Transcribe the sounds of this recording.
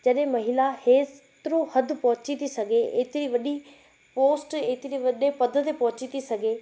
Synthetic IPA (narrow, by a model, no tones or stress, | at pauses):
d͡ʑɐɗɦẽmɐɦɪlaheː | t̪ɪɾõhɐd̪ʱpɐ̃ɦʊ̃t͡ɕit̪ʰisɐɡʱeḛːt̪ɪɾiʋɐɗi | poːsʈeːt̪ɪɾiʋɐɗepɐd̪ʱət̪epɐ̃ɦʊt͡ɕit̪ʰisɐɡʱeː